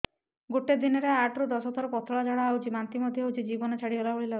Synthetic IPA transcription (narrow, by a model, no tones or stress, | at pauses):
ɡoʈed̪inɔɾeaʈɾud̪ɔsɔt̪ʰɔɾpɔt̪ʰɔɭad͡ʒaɽaawt͡ʃimant̪imɔd̪ʱjɔawd͡ʒid͡ʒibɔnɔt͡ʃʰaɽiɦɔlaoɭila